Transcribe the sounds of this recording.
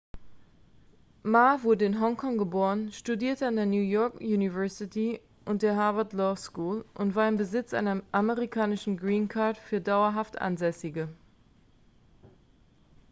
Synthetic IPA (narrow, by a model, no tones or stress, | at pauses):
maːvʊɐdəɪnɦɔŋkʰɔŋɡəboːʁ̞ənʃtudiːɐtəandeːɐnjuːjɔɐkjuːnivɛɐsɪtʰi | ʔʊnt̚d̥eːɐɦaɐvɐtlɔskuːlʔʊntv̥aːɐɪmbəzɪt͡sʔa̰ɪnɐʔaməʁikʰaːnɪʃn̩ɡʁiːnkʰaɐtfyːɐdaʊɐɦaftʔa̰nzɛsɪɡə